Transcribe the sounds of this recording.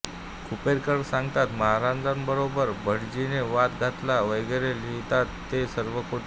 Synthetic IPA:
kʰupeɾkəɽsãŋɡt̪at̪məɦaɾand̪ambəɾobəɾbʱəɽd͡ʑineʋat̪ɡʱat̪laʋəjɡəɾeliit̪at̪ːesəɾʋəkʰoʈʰ

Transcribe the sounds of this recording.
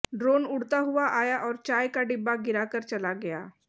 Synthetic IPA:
ɖɾoːnʊɽt̪aɦʊʋaʔaːjaʔɔːɾt͡ʃaːjkaɖɪbːaɡɪɾakəɾt͡ʃɐlaɡɐja̰ː

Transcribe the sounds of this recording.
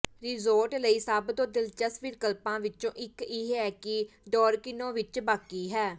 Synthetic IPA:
ɾɪzoːɾʈləiːsəbd̪õːd̪ɪlt͡ʃəsʋɪɾkəlpãːʋɪt͡ʃõːʔɪkɪɦɛːkɪɖɔːɾkɪnõːʋɪt͡ʃbaːkiːɦɛː

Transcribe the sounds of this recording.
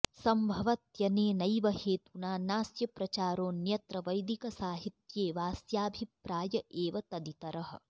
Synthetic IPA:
sɐmbʱɐʋɐt̪jɐneːnɐjʋɐɦeːt̪unaːnaːsjɐpɾɐt͡ʃaːɾoːnjɐt̪ɾɐʋɐjd̪ikɐsaːɦit̪jeːʋaːsjaːbʱipɾaːjɐʔeːʋɐt̪ɐd̪it̪ɐɾɐɦɐ̰̆

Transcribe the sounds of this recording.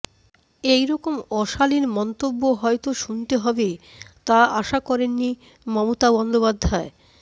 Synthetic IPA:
ejɾɔkomɔʃaliɾmɔnt̪obːoɦɔet̪oʃunt̪eɦɔbet̪aaʃakɔɾenːi | mɔmot̪abɔnd̪opad̪ʱːae

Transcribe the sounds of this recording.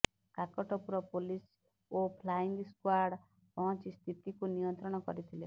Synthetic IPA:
kakɔʈʰɔpuɾɔpolis | opʰlaiŋɡskwaɾɽ | pɔɦɔ̃nt͡ʃist̪ʰit̪ikunijɔnt̪ɾɔɽ̃ɔkɔ̰ɾit̪ʰile

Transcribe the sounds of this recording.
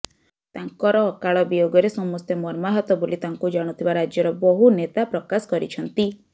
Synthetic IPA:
t̪aŋkɔɾɔːkaɭɔbijoɡɔɾesɔmɔst̪emɔɾmaɦɔt̪ɔbolit̪aŋkud͡ʒaɽ̃ut̪ʰibaɾad͡ʒjɔɾɔbɔɦunet̪apɾɔkasɔ̥kɔɾit͡ʃʰɔnt̪i

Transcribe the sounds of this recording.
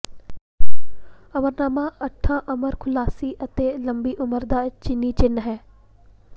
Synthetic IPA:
əməɾnaːmãːəʈʰːãːʔəməɾkʰʊlaːsiːʔət̪eːləmbiːʔʊməɾd̪aːt͡ʃɪnːiːt͡ʃɪnɦɛː

